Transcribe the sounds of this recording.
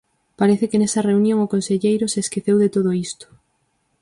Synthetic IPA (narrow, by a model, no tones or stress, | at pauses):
paɾeθɪkɪnesɐreunjõŋʊkonseʎejɾʊseːskeθewðet̪oð̞oist̪ʊ̥